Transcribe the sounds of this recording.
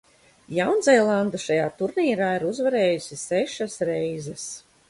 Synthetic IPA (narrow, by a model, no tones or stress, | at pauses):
jawnzɛjlˠand̪uʃajaːt̪uɾnʲiːɾaːiɾuzvaɾeːjusʲisɛʃasɾɛjzɛs